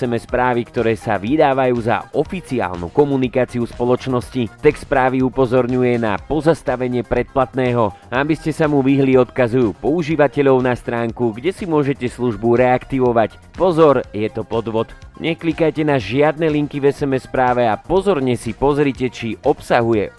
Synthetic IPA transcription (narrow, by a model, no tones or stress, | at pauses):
sɛmɛspɾaːʋikt̪ɔɾɛːsa̰ʋid̪aːʋajuːza̰ʔɔfit͡sia̰ːlnṵkɔmunikaːt͡siuspɔlɔt͡ʃnɔscit̪ɛkspɾaːʋiupɔzɔɾɲujɛna̰pɔzast̪aʋɛɲɪɛpɾɛt̪̚plat̪nɛːɦɔabiscɛsamuʋiɦliɔt̪kazujuːpɔuʒiːʋacɛʎɔʊnast̪ɾaːŋkuɡɟɛsimʊɔʒɛcɛsluʒbuɾɛakt̪iʋɔʋac | pɔzɔɾjɛt̪ɔpɔd̪ʋɔt̪ɲʔɛklikajcɛnaʒɪad̪̚nɛliŋkivɛsɛmɛspɾaːʋɛapɔzɔɾɲɛsipɔzɾicɛt͡ʃiʔɔpsaɦujɛ̰